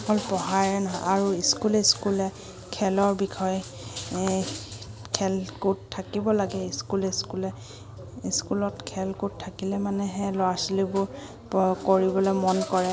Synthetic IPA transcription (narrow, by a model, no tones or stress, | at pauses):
kɔlpɔɦaɹɛnɔʔaɹuiskuleskulɛ | kʰɛlɔɹbikʰɔj | kʰɛlkuttʰːakibɔlaɡɛiskulɛskulɛ | iskulɔtkʰɛlkuttʰːakilɛmanɛɦɛlɔasilibʊɹ | koɹibɔlɔmɔnkɔɹɛ